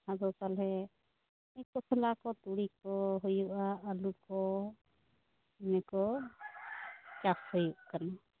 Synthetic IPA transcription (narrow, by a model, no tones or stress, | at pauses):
had͡ʒɔtalɦɛ | ɛkɔsʰɛlakɔt̪uɽikɔɦujuʔaʔəlukɔ | mɛkɔ | t͡ʃaphujuʔkana